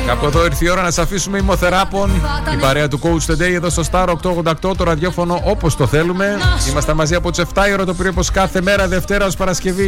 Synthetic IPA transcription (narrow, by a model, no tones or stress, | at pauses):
kɐpueðo̞iɾθio̞ɾɐnɐsɐfisumeimo̞θeɾɐpo̞nibɐɾeɐt̪uko̞ut͡st̪ed̪eie̞ðo̞st̪o̞st̪ɐɾokt̪oɣond̪ɐkt̪o̞t̪oɾɐðʝo̞fo̞no̞ʔopo̞st̪o̞θe̞lume̞imɐst̪ɐmɐziɐpo̞t̪u̥se̞ft̪ɐioɾot̪opiɾooposkɐθe̞me̞ɾɐðe̞ft̪e̞ɾɐo̞spɐɾɐsce̞vi